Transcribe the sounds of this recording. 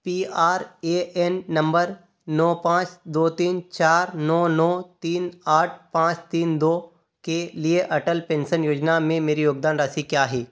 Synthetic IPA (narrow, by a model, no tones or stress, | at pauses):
piːaːɾeːɛnːɐ̃mbəɾ | nɔːpãːt͡ʃd̪oːt̪iːnt͡ʃaːɾnɔːnɔːt̪iːnaːʈ̚ʰpãːt͡ʃt̪iːnd̪oː | kelieʔɐʈəlpẽːnʃənjoːd͡ʒnamẽmeːɾijoːɡ̚d̪aːnɾaːsikjaːɦɛː